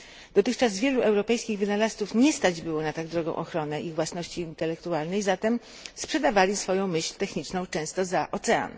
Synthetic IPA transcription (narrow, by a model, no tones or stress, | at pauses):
d̪̥ɔt̪ɘxt͡ʂazvʲjɛluʔɛwɾɔpɛjskʲiɣvɘnalast̪sufɲɛst̪ad͡ʑbɘwɔnat̪aɡ̚d̪ɾɔɡɔ̰̃w̃ʔɔxɾɔnɛʔiɣvwasnɔɕt͡ɕiːnt̪ɛlɛkt̪ualnɛjzat̪ɛm | spʂɛd̪avalʲisfɔjɔ̃w̃mɘɕlʲt̪ɛxɲit͡ʂnɔ̃w̃t͡ʂɛ̃w̃st̪ɔzaʔɔt̪sɛa̰n